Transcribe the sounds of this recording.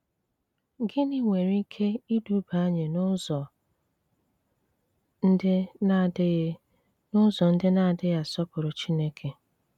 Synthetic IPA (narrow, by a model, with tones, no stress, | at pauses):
ɡɪ˦nɪ˦ŋʷe˨ɾi˦kʰe˦i˦du˨˦ba˨˦ɲe˨n˦zɔ˨ | n̩˦dɪ˦d | nʊ˦zɔ˨n̩˦dɪ˦na˦˨dɪ˦ja˨sɔ˦pʊ˨ɾʊ˨t͡ʃi˦ne˦kʰe˨